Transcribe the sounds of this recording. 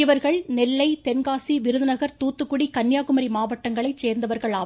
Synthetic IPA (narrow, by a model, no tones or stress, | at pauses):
ɪʋɐɾɣɐɭnɛlːɐɪt̪ɛnɡaːsiʋɪɾɯðɐnɐɣɐɾt̪uːt̪ːɯkːɯɽikɐnjaːɣɯmɐɾimaːʋɐʈːɐŋɡɐɭɐɪt͡ʃeːɾnd̪ɐʋɐɾɣɐɭaː